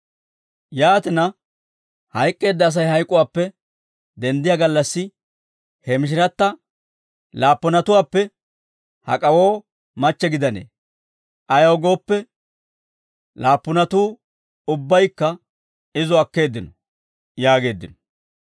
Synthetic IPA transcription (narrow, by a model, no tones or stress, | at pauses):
jaːt̪ɪnɐ | hɐjkʼːe̞ːd̪ːɐːs̬ɐjhɐjkʼːʊwaːpːɛ | d̪ɛnd̪ɪjɐɡɐlːɐsːɪ | hɛmɪʃ̬ɪɾɐt̪ːɐ | laːpːʊnɐt̪ʊwaːpːɛ | hɐ̰kʼɐwo̞ː | mɐt͡ʃːɛɡɪd̪ɐnḛː | ʔɐjɐwɡo̞ːpːɛ | laːpːʊnɐt̪uː | ʊbːɐjkːɐ | ɪzɔɐkːe̞ːd̪ːɪnɔ | jaːɡe̞ːd̪ːɪnɔ̥